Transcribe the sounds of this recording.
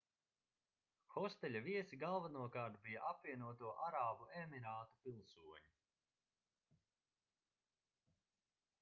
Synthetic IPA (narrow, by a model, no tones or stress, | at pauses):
xɔst̪ɛʎʲaviɛsiɡalˠvanuɔkaːɾt̪̚bijaʔapviɛnuɔt̪uɔʔaɾaːbuemiɾaːt̪upilˠsuɔɲu